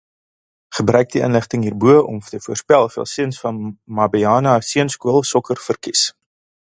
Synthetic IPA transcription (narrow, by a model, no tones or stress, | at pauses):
χəbrœɥk̚diə̰nləχtəŋɦiːrbuəʔɔ̰mtəfuərspɛlˠfiəlˠsiənsfɐnmɑbiɑːnɐsiənskuəlˠsɔkərfərkis